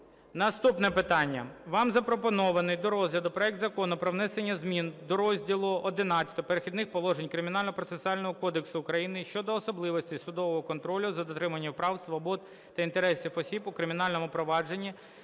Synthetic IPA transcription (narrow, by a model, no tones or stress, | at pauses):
nɐst̪upnɛpɪt̪ɑnʲːɐʋɑmzɐpɾɔpɔnɔʋɐnɪjd̪ɔɾɔzʲɦlʲɐd̪ʊpɾɔɛk̚d̪zɐkɔnʊpɾɔʋnɛsenʲːɐzmʲind̪ɔɾɔzʲdʲilˠʊɔd̪ɪnɑt͡sʲɐ̥t̪ɔpeɾexʲid̪nɪxpɔlˠɔʒenʲkɾɪmʲinɑlʲnɔpɾɔt̪sesʊalʲnɔɦɔkɔd̪eksʊːkɾɐjinɪʃt͡ʃɔd̪ɔːsɔblˠɪʋɔsʲtʲisʊd̪ɔʋɔɦɔkɔnt̪ɾɔlʲʊzɐd̪ɔt̪ɾɪmɐnʲːɐpɾɑwsʋɔbɔd̪̚ | t̪ɐint̪eɾɛsʲifɔsʲibʊkɾɪmʲɪnɑlʲnɔmʊpɾɔʋɑd͡ʒe̞nʲːi